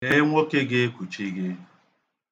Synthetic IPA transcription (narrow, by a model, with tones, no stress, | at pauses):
e˦ŋʷo˦kɪ˦ɡɪ˦kʷu˨t͡ʃi˦ɡɪ˦